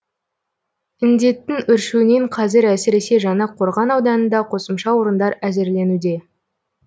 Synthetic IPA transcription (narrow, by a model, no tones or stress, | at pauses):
ɪnd̪e̞t̪ːɪŋʏɾʃune̞ɴqʰɑzɪɾæsɪɾe̞se̞ʒɑnɑqʰo̞ɾʁɑnɑwd̪ɑnənd̪ɑqʰo̞səmʃɑwo̞ɾənd̪ɑɾæze̞ɾle̞nud̪e̞